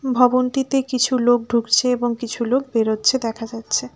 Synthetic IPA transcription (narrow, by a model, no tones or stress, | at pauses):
bʱɔbont̪it̪ekit͡ɕʰulok̚ɖʱukt͡ɕʰeeboŋkit͡ɕʰulok̚beɾotːɕʰed̪ɛkʰad͡ʑatːɕʰe